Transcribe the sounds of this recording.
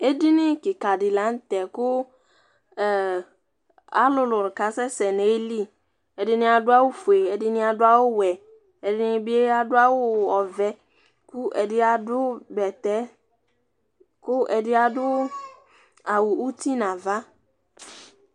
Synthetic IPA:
e˦di˦nɪ˦kɪ˨ka˨dɪ˨lã˨˦n̩˦tɛ˨kʊ˦˨ | a̰˦lʊ˦lʊ˨ɾɪ˨ka˨˦sɛ˦sɛ˨ne˨e˦li˦ | ɛ˨dɪ˦nɪ˦a˨dʊ˦a˦wʊ˦fu˨e˨e˨dɪ˦nɪ˦a˨dʊ˦a˦wʊ˦wɛ˨ | ɛ˨dɪ˦nɪ˦bi˦e˦a˦dʊ˦a˦wʊ˦ɔ˨vɛ˦ | kʊ˦ɛ̰˨dɪ˦a˦dʊ˦bɛ˨tɛ˦ | kʊ˦ʔɛ˨dɪ˦a˨dʊ˦ | a˨wʊ˨u˦ti˦nã˨va˦

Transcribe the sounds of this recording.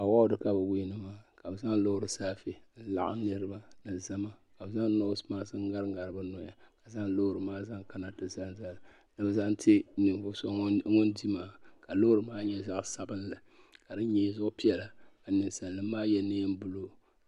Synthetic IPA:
a˨wa˦dɨ˦ka˦bɨ˨wi˦nɨ˦maː˦ka˨bɨ˨za˦ŋlo˦hʊ˦ɾɨ˨saː˦fi˦n̩˦la̰˨ʔa̰˦nɨ˦ɾɨ˦ba˦nɨ˨za˦ma˦ka˨bza˦ŋ˦no˦smaː˦sɨ˦ŋ˦ɡa˦ɾɨ˦ŋɡa˨ɾɨ˨bɨ˦nɔ˨ja˨ka˨za˦ŋlo˦hʊ˨ɾɨ˨maː˦za˦ŋka˦na˨tɨ˨za˦nza˦l | nɨ˨bɨ˨za˦nti˦nɨ˨m˨vʊ˦sɔ˦ŋo˦ndi˦maː˦ka˨lo˦ɾɨ˨maː˦ɲɛ˦za˦ʔsa˦bɨ˦nlɨ˨ | ka˨dɨ˦ɲɛ˦zʊ˦ʔʊ˦pi˦ɛ˨la˨a˨nɨ˨nsa˨nː˨ɨ˦maː˦jɛ˦nɨ˦m˦bʊ˦lo˦

